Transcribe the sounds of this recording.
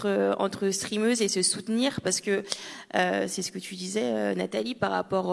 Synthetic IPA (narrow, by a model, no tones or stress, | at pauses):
χəɑ̰̃t̪χəst̪χimøzesəsut̪niʁpaʁsə̥kəøsɛsə̥kət̪ʰyd̪izɛønat̪alipaʁa̰pɔʁ